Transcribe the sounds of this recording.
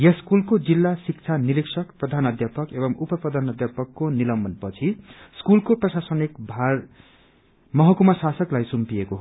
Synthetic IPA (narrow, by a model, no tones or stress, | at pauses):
jʌskulkod͡zilːasik̚t͡sʰaniɾiksʌkprʌd̪ʱanʌd̪japʌkebʌmupʌprʌd̪ʱanʌd̪japʌkːonilʌmbʱʌnpʌt͡sʰi | skulkoprʌsasʌnikbʱar | mʌɦʌkumasasʌklajsumpiekoɦ